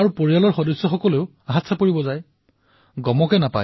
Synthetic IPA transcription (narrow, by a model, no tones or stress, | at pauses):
aɹupoɹijalɔɹxɔdɔsːɔxɔkɔleʊ | aɦat̪sapoɹibɔzaj | ɡɔmɔkɛnapa̰